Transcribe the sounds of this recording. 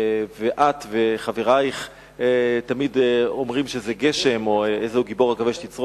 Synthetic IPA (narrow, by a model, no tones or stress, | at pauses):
veʔat̪ve̞χaveʁajχ | t̪amidomʁimʃezeɡeʃemo̞ezehuɡibo̞ʁaɡaveʃt̪it͡sʁ